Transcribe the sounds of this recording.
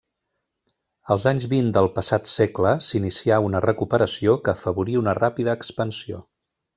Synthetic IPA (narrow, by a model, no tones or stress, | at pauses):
əlˠzaɲzβind̪əlˠpəsat̪sekləsinisiaunərəkupəɾəsiokəːfəβuɾiunərapiðəːkspənsio̰